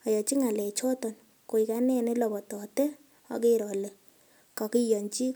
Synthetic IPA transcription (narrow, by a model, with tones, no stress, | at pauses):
a˨jɔ˨t͡ʃi˦ŋa˨lɛ˨t͡ʃɔ˦tɔ˨n | ko˨i˨ka˦nɛ˦ne˦lɔ˨bɔ˨tɔ˨tɛ˦ | ɔ̰˨ke˦ɾɔ˨le˨ | kɔ˨ki˦jɔ˨nt͡ʃi˦